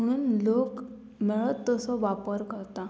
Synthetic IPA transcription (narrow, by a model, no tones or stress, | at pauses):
məɽ̃uːnlok | meɭət̪ːəsɔʋapəɾkəɾt̪a